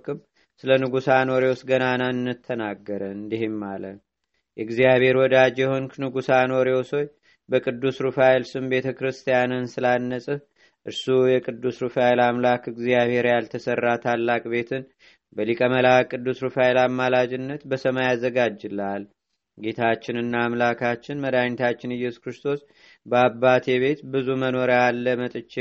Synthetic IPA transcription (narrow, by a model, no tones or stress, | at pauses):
kʼɨm | sɨlənɨɡusanoɾeosɡənanannːɨt̪ʰːənaɡːəɾənɨnd̪iɦemːalə | jʔɛɡzijaβhe̞ɾwɔd̪ad͡ʒjɛhonknɨɡusanoɾeoso̞j | bəkʼɨd̪ːusɾufajlsɨmbe̞t̪ʰəkɾɨst̪ʰijanɨnsɨlanːəsʼɨ | ʔɨɾsujɛkʼɨd̪ːusɾufajlamlakɨɡzijaβhe̞ɾjalt̪ʰəsərːat̪ʰalːakʼbe̞t̪ʰɨn | bəlikʼəməlakʼːɨd̪ːusɾɨfajlamːalad͡ʒɪnːət̪bəsəmajazːəɡad͡ʒːɨlal | ɡe̞t̪ʰat͡ʃːɪnɨnːaːmlakʰat͡ʃːɪnməd̪ajnt̪ʰat͡ʃːɪnɨjːɛsu̥kɾɨst̪ʰo̞s | bəabːat̪ʰeβe̞t̪bɨzuməno̞ɾalːəmət̪ʼɨt͡ʃːe